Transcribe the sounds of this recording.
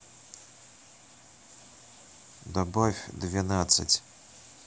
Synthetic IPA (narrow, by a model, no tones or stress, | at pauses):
d̪ɔbɔfʲd̪vʲanat̪sɐ̰t͡sʲ